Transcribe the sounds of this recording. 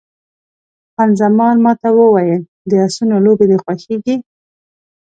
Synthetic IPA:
hanzamɑnmɑt̪awəwajəl | d̪əasunolobed̪exwaxeɡi

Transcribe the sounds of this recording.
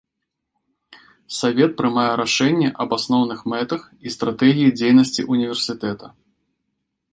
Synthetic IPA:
savʲɛt̪̚pɾɨmajɛɾaʂɛnʲːɛʔɐbasnɔwn̪ɨxmɛt̪ɐx | ist̪ɾat̪ɛɣʲijid͡zʲejnɐsʲt͡sʲḭʔunʲivʲɛrsʲɨt̪ɛt̪ɐ

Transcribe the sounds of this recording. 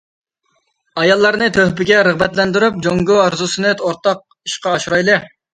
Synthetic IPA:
ɑjɑlˠːɑɾnɨt̪ʰøhbɪɡʲɛɾəʁbɛt̪lɛnd̪yɾyp̚d͡ʒoŋɡʊɑɾzusɨnɨt̪ʰoɾt̪ɑq̚ | iʃqɑːʃuɾɑjlˠɨ

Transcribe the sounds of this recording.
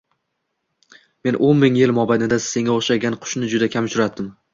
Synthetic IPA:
me̞nʔonmɪŋjɪlmɒbanɪd̪ase̞ŋʲaoχʃaɡʲanqʰʊ̥ʃnɪd͡ʒʊd̪akʲʰamʊʃʰʊɾad̪ɪm

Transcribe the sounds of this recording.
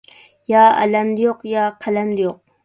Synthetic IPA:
jaːa̰lamdɪjoqjaːqʰalamlɪjoq̚

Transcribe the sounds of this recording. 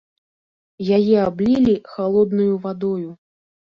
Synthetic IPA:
jajɛablʲilʲixalˠɔd̪nujuvad̪ɔju

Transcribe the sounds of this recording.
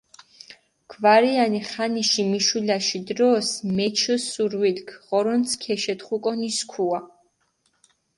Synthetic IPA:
ɡ̥ʰvaɾianiχaniʃimiʃwilaʃid̪ɾɔsmɛt͡ʃʰəsuɾwilkʰʁɔɾɔnt̪sʰkʰɛʃɛt̪χukʼɔniskʰua

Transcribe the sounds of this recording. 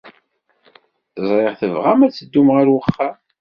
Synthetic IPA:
θəzˤɾˤeʁθəvʁamæt͡sːəd̪ːumʁaɾwəχːam

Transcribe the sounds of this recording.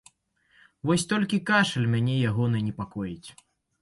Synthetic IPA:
vɔsʲt̪ɔlʲkʲikaʂɐlʲmʲanʲɛjaɣɔnɐnʲɛpakɔjit͡sʲ

